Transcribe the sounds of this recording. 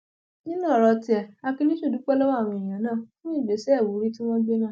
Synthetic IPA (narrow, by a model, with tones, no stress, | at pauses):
nĩ˦nã˦˨ɾɔ˧ti˨ɛ˨a˧kĩ˧lĩ˦ʃu˦˨du˨˦k͡pɛ˦lɔ˦wa˦˨w̃ɔ̃˧˨ĩ˨j̃ã˨˦nãː˦˨fũ˦ĩ˦˨ɡ͡be˨˦sɛ˦˨wu˨˦ɾi˦ti˦w̃ɔ̃˦ɡ͡be˦mã˦